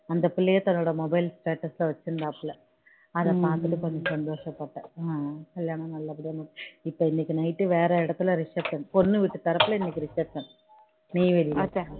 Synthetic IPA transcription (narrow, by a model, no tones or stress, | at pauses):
ɐnd̪ɐpːilːejet̪ɐnːuɽemobɐjlsʈeːʈːɐsileʋɐt͡ɕːund̪aːpːilːɐ | ɐðɐpaːk̪ːiʈːɨkonːɨsɐnd̪o̞ːʂɐpːeʈːɨakɐljaːɳɐmnɐlːɐpɐɽijɐnːɐʈːipːɐenikʲːɨnɐjʈːɨʋe̞ːreiɽɐt̪ːilɐriʂɐt̪ːɐnonːɨʋiʈːɨt̪ɐrɐpːilɐinːikʲːirit͡ɕːɐɾt̪ːɐn | miːʋɐlijɐe